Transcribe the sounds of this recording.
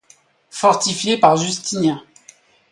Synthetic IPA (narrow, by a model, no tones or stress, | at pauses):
fɔʁt̪ifjepaʁʒyst̪inɛ̃